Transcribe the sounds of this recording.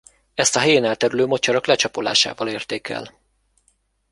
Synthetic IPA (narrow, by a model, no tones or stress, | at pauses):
ɛst̪ɒɦɛjeːnɛlt̪ɛɾyløːmo̞t͡ʃɒɾɒklɛt͡ʃɒpola̰ːʃa̰ːvɒleːrt̪eːkʰɛ̰l